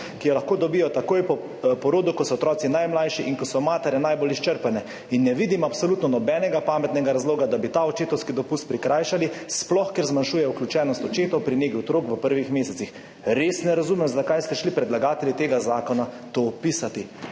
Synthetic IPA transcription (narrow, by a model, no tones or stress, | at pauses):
kijɔlaxkoːd̪ɔbiːjɔt̪akoːjpɔ | pɔɾoːd̪ukɔt̪sɔɔt̪ɾɔːt̪sinajmlajʃiʔiŋkɔsɔmaːt̪ɛɾɛnajbolist͡ʃəɾpanɛ | inːɛʋiːd̪imapsɔlut̪nɔnɔbɛnɛɡapaːmɛt̪nɛɡaɾazloːɡad̪abit̪aɔt͡ʃeːt̪ɔwskid̪ɔpust̪̚pɾikɾaːjʃalisplɔxkɛɾzmanʃuːjɛuklʲjut͡ʃɛːnɔst̪ɔt͡ʃeːt̪ɔwpɾineːkiɔt̪ɾoːkʋəpəɾʋixmeːsɛsix | ɾesnɛɾazuːmɛmzd̪akajst̪ɛʃlipɾɛd̪laɡaːt̪ɛlʲit̪eːɡazaːkɔna | t̪opisat̪i